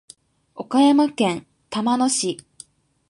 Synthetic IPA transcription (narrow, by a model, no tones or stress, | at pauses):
o̞kajamakẽ̞n | t̪amano̞ɕi